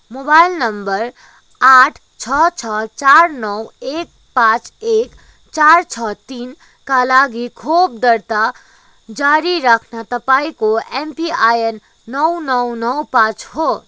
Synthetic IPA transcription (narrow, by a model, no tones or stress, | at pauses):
mobailnəmbəɾ | aʈʰ | t͡ʃʰʌt͡ʃʰʌt͡ʃaɾnʌwek̚ | pãt͡ʃek | t͡ʃaɾt͡ʃʰʌt̪in | kalaɡikʰob̚d̪əɾt̪a | d͡ʒaɾiɾakʰnat̪əpaikoempiajenː | ʌwnɔwnʌwpãt͡ʃɦo